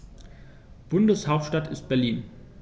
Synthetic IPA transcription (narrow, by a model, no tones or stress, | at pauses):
b̥ʊndəshaʊp̚tʃtatʰɪstb̥ɛɐliːn